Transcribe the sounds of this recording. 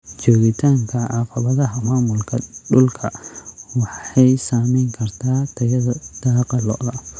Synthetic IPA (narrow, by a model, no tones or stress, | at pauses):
t͡ʃɔːɣɪt̪ʰaːŋkʰɐʔɑqɑβɐðɐɦɐmaːmʊlkʰɐ̰ɖʊlkʰɐwɑħɑjsaːmɛjŋkʰɐrt̪ʰaːt̪ʰɐjɐðɐd̪̥aːqɑlɔ̰ʔðɐ